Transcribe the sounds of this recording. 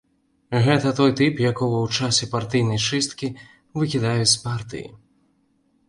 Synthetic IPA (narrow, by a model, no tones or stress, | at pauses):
ɣɛt̪ɐt̪ɔjt̪ɨpjakɔvɐwt͡ʂasʲɛpart̪ɨjnɐjt͡ʂɨst̪kʲi | vɨkʲid̪ajut͡sʲpart̪ɨ̰jḭ